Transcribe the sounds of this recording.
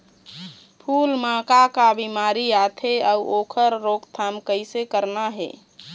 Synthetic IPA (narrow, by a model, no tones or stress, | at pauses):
pʰulmãkakabimaɾiat̪ʰeauʔokʰəɾːokt̪ʰamkəɪsekəɾnaɦḛ